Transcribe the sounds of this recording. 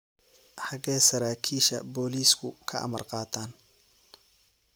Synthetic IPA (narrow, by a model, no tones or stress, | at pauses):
ħɑɡɛːsɐɾaːkʰiːʃɐ̰bɔːliːskʰʊkʰɐɐ̰mɐrqɑːt̪ʰaːn